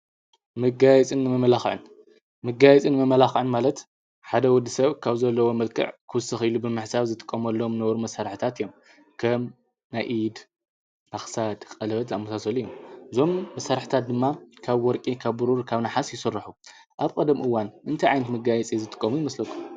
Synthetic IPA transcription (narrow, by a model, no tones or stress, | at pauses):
mɨɡajɛt͡sʼɨnːɨmɐmɐlaxʕɨ̰n | mɨɡajɛt͡sʼinɨmɐmɐlaxʕɨnmalɐt̪ | ħad̪ɐwɔd̪ːisɐβkʰaβzɐlːɐwo̞mɐlkʰɨ̰ʕkʰɨwʊsɨxilubɨmɨħsaβzɨt̪ʰʼɨ̥kʼːɐmɐlːomnɐwɾumɐsaɾħt̪ʰat̪ɨjːo̞m | kʰɐm | najʔid̪ | maxsad̪kʼɐlɐβɐt̪amːusasɐlijomʔɨzo̞mːɐsaɾħɨ̥t̪ʰat̪̚d̪ɨmːakʰaβwɔɾkʼikʰaβːuɾuɾkʰaβnaħasjɪsɨrːɨħu | ʔaβkʼɐd̪ɐmʔɨwːanʔɨnt̪ʰajʕajnɐt̪mɨɡajɛt͡sʼizɨt̪ʰʼɨ̥kʼːɐmujimɐslɐkʰːum